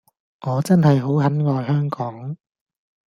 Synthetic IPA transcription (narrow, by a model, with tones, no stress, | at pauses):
ŋɔː˨˧t͡sɐ˥nhɐ˨jɦo˨˥whɐ˨˥nŋɔː˨jɦœː˥ŋkɔː˨˥ŋ